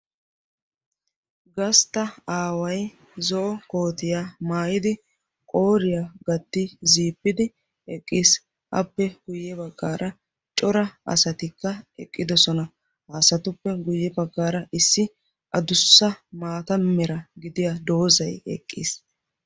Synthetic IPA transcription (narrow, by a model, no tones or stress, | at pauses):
ɡɐst̪ɐaːwɐj | zɔʔɔkoːt̪ɪjamaːjɪd̪ɪ | kʼo̞ːɾɪjaɡɐt̪ːɪziːpːɪd̪ɪ | ɛkʼːiːs | ʔɐ̰pːɛɡ̥ʊjːɛbɐɡːaːɾʔɐ | t͡ʃʼɔɾɐɐ̰sɐt̪ɪkːɐɛ̰kʼːɪd̪ɔsɔnɐ | haːsɐt̪ʊpːɛɡʊjːɛbɐɡːaːɾɐʔɪsːɪ | ʔɐd̪ʊsːɐmaːt̪ɐmɛɾɐɡɪd̪ɪjad̪o̞ːzɐjɛ̰kʼːḭːs